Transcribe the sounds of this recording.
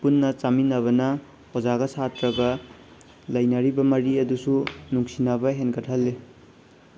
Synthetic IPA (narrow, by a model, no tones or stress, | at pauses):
punːɐt͡ʃaminɐβɐnɐ | od͡ʒaɡɐsatɾɐɡɐ | lɐjnɐɾibɐmɐɾiɐdusunuŋsinabɐɦenkʰɐtʰhɐlːe